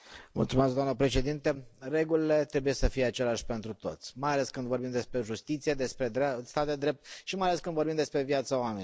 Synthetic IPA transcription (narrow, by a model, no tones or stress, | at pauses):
mṵlt̪sumeskd̪amnəpɾe̞ʃe̞d̪int̪ere̞ɡulile̞t̪ɾe̞buje̞səfijeat͡ʃe̞laʃʲpe̞nt̪ɾut̪o̞̰t̪sʲmajaleskɨnd̪vo̞rbimd̪e̞spɾe̞ʒust̪it̪sijed̪e̞spɾe̞d̪ɾast̪at̪̚d̪e̞d̪ɾe̞p̚t̪̚ʃimajaleskɨnd̪vorɾbimd̪espɾe̞vjat̪səoame̞nʲ